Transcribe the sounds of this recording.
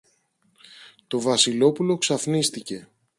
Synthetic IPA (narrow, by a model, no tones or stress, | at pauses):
t̪o̞vɐsilo̞pulo̞ksɐfnist̪ice̞